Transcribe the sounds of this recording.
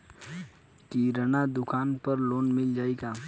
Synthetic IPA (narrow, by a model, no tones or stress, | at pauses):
kiɾənad̪ʊkʰaːnpəɾloːnmɪld͡ʒaːeɡaː